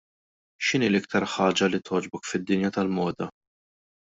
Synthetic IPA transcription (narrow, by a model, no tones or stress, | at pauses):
ʃɪniːlɪk̚t̪ɐɾħɐːd͡ʒɐlit̪ʰɔːd͡ʒbɔkfɪd̪ːɪnjɐt̪ɐlmɔːd̪ɐ